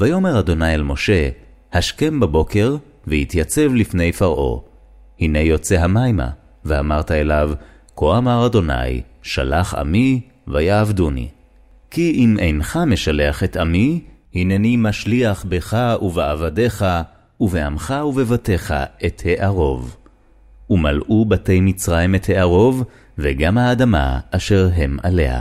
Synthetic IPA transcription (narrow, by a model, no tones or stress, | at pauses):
vajo̞me̞ʁad̪o̞najalmo̞ʃe̞ | haʃke̞mbabo̞ke̞ʁ | vehit̪jat͡se̞vlifne̞jfaʁʔo̞̰ | hine̞jo̞t͡se̞ɦamajma̰ | veamaʁt̪aelav | kʰoamaʁado̞na̰jʃa̰laχa̰mi | vajaːvdunḭ | kiʔimʔejnχame̞ʃale̞aχe̞tamihinenimaʃliaχbeχauveavade̞χa | uveamχauve̞vate̞χa̰e̞the̞ʔaʁo̞v | umalʔubate̞jmit͡sʁajimethe̞ʔaʁo̞v | veɡamhaːdama̰ːʃe̞ʁɦe̞ma̰le̞̰ha̰